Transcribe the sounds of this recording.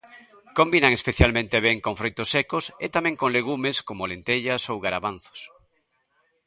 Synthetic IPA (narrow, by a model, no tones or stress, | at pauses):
kombinaŋespeθjalmẽnt̪eβeŋkõɱfɾojt̪osːekoset̪amẽŋkoŋleɣumeskomolent̪eʎasowɣaɾaβan̟θo̥s